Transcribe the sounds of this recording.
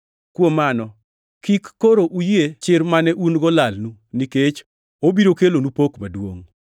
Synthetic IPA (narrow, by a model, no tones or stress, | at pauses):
kwomanɔ | kikːoɾoʔujet͡ʃɪɾmanɛʔunɡɔlalnuniket͡ʃ | obiɾokelonupokmadwo̰ŋ